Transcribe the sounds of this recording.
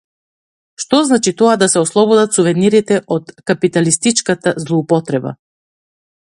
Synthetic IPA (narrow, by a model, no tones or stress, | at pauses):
ʃt̪ɔznat͡ʃit̪ɔad̪asɛɔslˠɔbɔd̪at̪suvɛniɾit̪ɛʔɔt̪kapit̪alist̪it͡ʃkat̪azlˠɔupɔt̪ɾɛba̰